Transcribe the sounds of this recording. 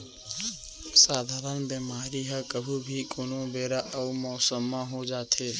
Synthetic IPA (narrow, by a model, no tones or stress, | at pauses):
saːd̪ʱaːɾənbimaːɾiɦakəbʱuːbʱikʊnõbeːɾaʔəumɔːsəmːãɦod͡ʒaːt̪ʰeː